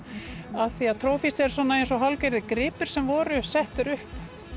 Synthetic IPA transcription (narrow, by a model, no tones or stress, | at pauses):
aðθiaðt̪ʰɾoːwfisɛɾ̥sɔːnaejnsɔɦawlkejɾðɪkɾɪːpʏɾ̥sɛmvɔːɾʏsɛht̪ʏɾʏhp